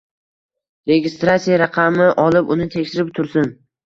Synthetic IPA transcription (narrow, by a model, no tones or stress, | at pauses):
ɾe̞ɡʲɪst̪ɾatsijaɾaqʰɑmɪʔɒlˠɪpʊnɪt̪ʰekʲʃɪɾɪp̚t̪ʰʊɾsɪn